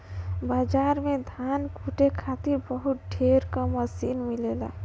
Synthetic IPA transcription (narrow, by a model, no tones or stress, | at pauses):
bad͡ʒaɾmed̪ʱankuʈekʰat̪iɾbəɦut̪̚ɖʱeɾkəməsinmilela̰